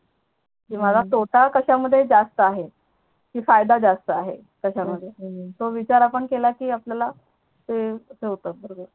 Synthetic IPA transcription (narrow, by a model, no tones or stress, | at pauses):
kiːmad͡zat̪oʈakəɕaməd̪ʱːjed͡zast̪əaɦe | kiːfajd̪ad͡zast̪əaɦḛ | kəɕaməd̪ʱːjet̪oʋit͡ɕaɾapəɳkelakiːapljala | t̪eseɦt̪əːbəɾobəɾ